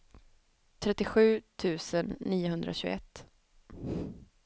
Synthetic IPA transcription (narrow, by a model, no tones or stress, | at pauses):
t̪ʰɾɛt̪ːɪɧʉ̟ːt̪ʰʉ̟ːsənːiːʊɦɵnd̪ɾa̰ɕʉːɡ̰ɛt̪ː